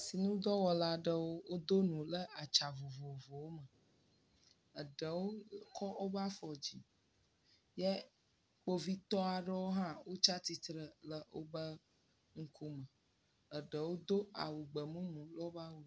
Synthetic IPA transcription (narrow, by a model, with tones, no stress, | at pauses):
si˨nũ˦d̪ɔ˦wɔ˨la˦ɖə˦wo˦wo˦d̪o˦nũ˨lə˦a˨t͡ʃa˨vo˨vo˨vo˨wo˦mə˨ | ə˨ɖə˨wo˦kʰɔ˦o˦ba˦fɔ˨d͡ʑi˨ | jɛ˦ | k͡po˦vi˦t̪ɔ˦a˨ɖə˦wo˦ɦã˦wo˦t͡ʃa˦t̪i˦t̪ɾə˨lə˦wo̰˦bə˦ | ŋ̩˦ku˦mə˨ | ə˨ɖə˨wo˦d̪o˦a̰˨wu˨ɡ͡bə˨mũ˦mũ˨lɔ˦ba˦wu˦